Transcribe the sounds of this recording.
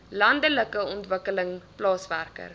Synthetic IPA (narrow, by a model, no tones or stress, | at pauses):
lɐndələkəɔntvəkələŋplɑːsværkə̰r